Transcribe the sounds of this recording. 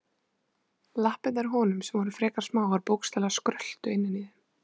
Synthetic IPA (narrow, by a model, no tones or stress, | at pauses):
lahpɪt̪aɾɦɔːnʏmsɛmvɔɾʏ̥fɾɛːkaɾ̥smaːwvaɾpowkst̪ɛːlaskɾœl̥t̪ʏɪnːɪniðɪ